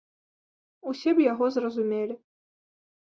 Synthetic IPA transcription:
usʲɛbjaɣɔzrɐzumʲelʲɪ

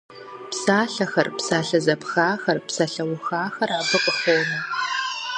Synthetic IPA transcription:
psaːɬɐxɐrpsaːɬɐzɐpxaːxɐrpsɐɬɐwʊxaːxɐraːbɨqʼəxoːnɐ

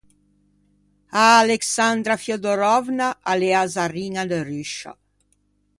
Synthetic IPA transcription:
aːleksand̪ɾafjod̪oɾɔvnaʔaleazariːŋad̪eryʃːa̰

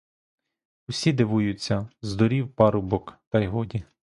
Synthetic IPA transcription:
ʊsʲid̪ɪʋujʊt͡sʲːɐzd̪ɔɾʲiwpɑɾʊbɔkt̪ɐjɦɔdʲi

